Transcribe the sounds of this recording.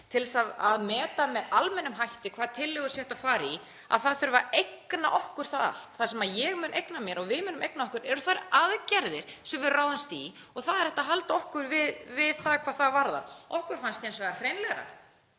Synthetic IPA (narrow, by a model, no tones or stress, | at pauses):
t̪ʰɪlðɛsaða̰ðmɛːt̪amɛðalmɛnːʏmɦajht̪ɪkʰvaːðt̪ʰɪlːʏɣʏsjɛht̪afaːɾi | a̰ðθaðθʏɾvaɾejknaʔɔhkʏɾ̥θaða̰l̥t̪θasɛmaðjɛɣmʏːnʔejknamjɛɾɔɣvɪðmʏːnʏmʔejknaɔhkʏɾɛɾʏθaɾaðcɛɾðɪɾ̥sɛmvɪðraːwðɪnst̪i | ɔɣθaðɛɾ̥hɛht̪aɦalt̪aɔhkʏɾvɪðvɪðθakʰvaːðθaðvaɾða̰ɾɔhkʏɾ̥fanst̪iɛnsvɛɣahrejnlɛɣɾa̰